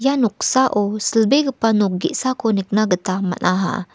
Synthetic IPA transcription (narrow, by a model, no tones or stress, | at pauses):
januk̚saʔosəlbeɡəpanuk̚ɡḭʔsakonik̚naɡət̪ama̰nʔaɦa̰